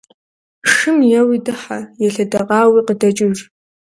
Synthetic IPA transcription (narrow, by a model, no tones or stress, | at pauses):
ʂɨmjɛwidɨħajɛɬɐdɐqʼɑːwiqədɐt͡ʃʼɪr